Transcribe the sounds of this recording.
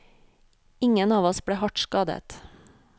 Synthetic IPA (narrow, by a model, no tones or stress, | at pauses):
ɪŋənɑːʋɔsbɽeːhɑʈskɑːd̪ə̰t̪